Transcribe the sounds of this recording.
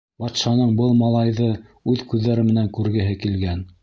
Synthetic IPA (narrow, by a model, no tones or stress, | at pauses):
bɑt̪ʃɑnɤɴbɤlˠmɑlˠɑjðɤʉðkʉðːæɾɘmɘ̆næŋkʉɾɡɘ̆ɦɘkilɡæn